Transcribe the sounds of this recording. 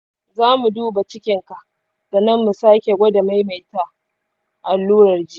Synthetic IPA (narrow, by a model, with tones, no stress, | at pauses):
zaː˦mu˨duː˦ba˨t͡ʃɪ˦kʲɪ˨ŋka˨ʔ | d̥a˨nɐ˦mːu˨saː˦kʲe˨ɡʷɐ˦da˨ma˦jma˨jta˦ | ʔa˨lːuː˦ɾɐ˨rd͡ʒi˦